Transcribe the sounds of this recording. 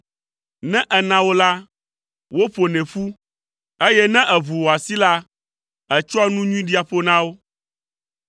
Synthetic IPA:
nɛ̃˦ʔɛ˨nã˨wo˦la˦ | wo˦ɸo˨nɛ̃˨ɸu˦ | e˦jɛ˦nɛ̃˦ʔɛ˨βu˨wo˨a˨si˦la˦ | ɛ˨t͡ʃɔ˦a˦nũ˦ɲũ˦ĩ˦ɖi˦a˨ɸo˦nã˦wo˦

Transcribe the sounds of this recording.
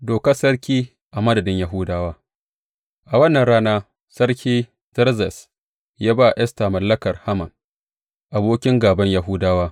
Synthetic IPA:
doː˨kɐ˦sɐ˦ɽkʲiː˦ | ʔa˨mɐ˦dɐ˨dɪ˦ɲja˨ɦʊ˦daː˦waː˦ | ʔa˨wɐ˦nːɐ˨nɽaː˦naː˦ | sɐ˦ɽkʲiː˦ | zɐ˦ɾzɛ˨s | jaː˦ba˦˨ʔɛ˦sta˨mɐ˨lːɐ˦kɐ˨rha˦mɐ˨n | ʔa˨boː˦kʲɪ˦ŋɡaː˨bɐ˦ɲja˨ɦʊ˦daː˦waː˦

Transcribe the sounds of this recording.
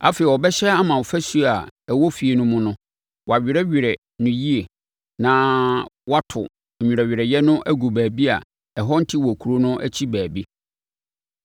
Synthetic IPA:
a̰˦fe˨i˨ɔ˨bɛ˦ɕɛ˦a˦mã˨fæ˦su˦a˨ɛ˨wo˦fi˨e˨nʊ̃˦mʊ̃˦nʊ̃˦ | wɔ˨a˨ɥᶣɪ˨ɾɛ˦ɥᶣɪ˨ɾɛ˨ | nʊ̃˦ji˦e˨ | nã˨˦wa˦tʰʊ̰˨ | u˨ɾɛ˨ɥɪ˨ɾɛ˨jɛ˦nʊ̃˦ʔæ˦ɡu˨bæː˨bi˦a̰˨ | ɛ˨ɦɔ˦n̩˦tʰɪ˦wɔ˨kʰu˨ɾo˦nʊ̃˦ʔæ̰˦t͡ɕʰi˦bæː˨bi˦

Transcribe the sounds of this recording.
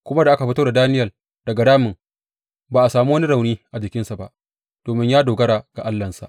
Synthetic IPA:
kʷʊ˦ma˦da˨ʔa˦ka˨ɸɪ˦toː˦da˨daː˦nɪ˦jɐ˨ | d̥ɐ˨ɡa˨daː˦mɪ˨ŋ | baː˨ʔa˨saː˨mu˦wɐ˦ni˦ɽa˨wniː˦ʔa˨d͡ʒɪ˨kʲɪ˦nsa˨ba̰˦ʔ | d̥oː˨mɪ˦ɲjaː˦doː˨ɡɐ˦ɽaː˨ɡ̥a˨ʔa˦lːɐ˨nsa̰˨ʔ

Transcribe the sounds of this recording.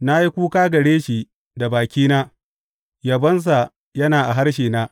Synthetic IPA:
na˦ji˦kʷuː˦kaː˦ɡɐ˨ɽeː˦ʃi˨ | da˨baː˨kʲiː˦naː˦ | jɐ˨bɐ˦ns̬a˨ | jɐ˦naː˨ʔa˨ɦa˦ɾʃ̬iː˨naː˦

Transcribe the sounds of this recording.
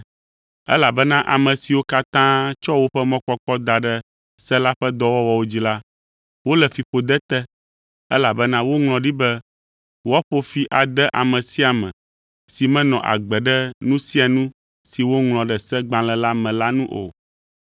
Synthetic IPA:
ɛ̰˦la˨bɛ˦nã˦ʔa˨mɛ̃˨si˨wo˦ka˦t̪ã˦t͡ʃɔ˦wo˦ɸɛ˦mɔ̃˦k͡pɔ˦k͡pɔ˦d̪a˨ɖɛ˦ | sɛ˦la˦ɸɛ˦d̪ɔ˦wɔ˦wɔ˦wo˦d͡ʑi˨la˦ | wo˦lɛ˨fi˨ɸo˨d̪ɛ˦t̪ɛ˦ | ɛ˦la˨bɛ˦nã˦wo˦ŋlɔ̃˨ɖi˦bɛ˦ | wɔ˦ɸo˦fi˨ʔa˨d̪ɛ˦ʔa˨mɛ̃˨si˦a˨mɛ̰̃˨ | si˨mɛ̃˦nɔ̃˨ʔa̰˨ɡ͡bɛ˨ɖɛ˦nũ˦si˦a˨nũ˦ | si˨wo˦ŋlɔ̃˨ɖɛ˨sɛ˦ɡ͡bã˨lɛ̃˨la˦mɛ̃˨la˦nũ˦ʔo̰˨

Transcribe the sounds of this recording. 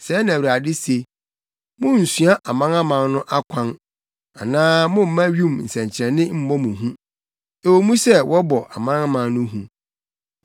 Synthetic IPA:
sɛ˨˦nã˨i˨ɾa˨dɪ˦se˨ | mʊ̃˦n̩˨sɥa˦ʔa˨mã˦nã˦mã˨nnʊ̃˦ʔa˦kʷʰã˦n | a˨nãː˦mʊ̃˦m̩˦mã˦ɥũ˦˨mn̩˨sɛ̃˨ɲt͡ɕʰɪ˨ɾɛ̃˨nɪ̃˦m̩˦mɔ˦mũ˨ɦũ˦ | e˨wo˨mũ˦sɛ˦wʔɔ˦bɔ˨ʔa˨mã˦na˦mã˨nnʊ̃˦ɦũ˦

